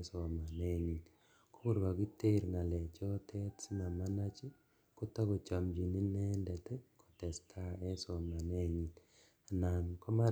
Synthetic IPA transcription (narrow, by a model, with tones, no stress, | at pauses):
sɔ˨ma˨ne˦ɲi˨n | ko˦ku˦˨ɾba˨ki˦te˦ɾŋa˨lɛ˨t͡ʃɔ˦tʰɛ˦tsi˦ma˨ma˦na˦t͡ʃi˦ | ko˦ta˦ko˨t͡ʃa˨md͡ʒi˨ni˦nɛ˦ndɛ˨tɛ˦ko̥˨tɛ˨stʰa˦ɛ˦sɔ˨ma˨ne˦ɲi˨n | a˨na˨ŋkɔ˦ma˦